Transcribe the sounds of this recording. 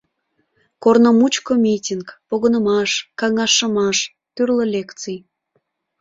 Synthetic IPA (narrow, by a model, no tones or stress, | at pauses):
kornomut͡ɕkomʲitʲinkpoɣənəmɑʃkɑŋɑʃəmɑʃ | t̪yrləlʲekt͡sij